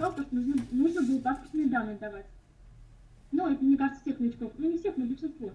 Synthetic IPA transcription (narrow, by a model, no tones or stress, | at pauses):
opt̪oʂt̪ənuʐnənuʐnəbɨlˠət̪at̪pə̥snɨjɪd̪anːɨd̪ɐvatʲ | nuɛt̪əmnʲɛkaʐɨt̪sə̥fsʲe̞xnʲɪt͡ɕko̞fnunʲɪfsʲe̞xnʲəbʲəlʲʂɨnst̪vuo